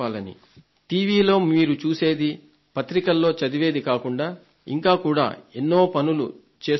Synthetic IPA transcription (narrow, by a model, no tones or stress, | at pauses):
aːlɐnḭ | ʈiːʋiːlo̞ːmiːɾut͡ʃuːse̞ːd̪i | pɐt̪ɾikɐlːo̞ːt͡ʃɐd̪iʋe̞ːd̪ikaːkuɳɖaː | ḭŋkaːkuːɽa̰ːenːo̞ːpɐnulṵ | t͡ʃe̞ː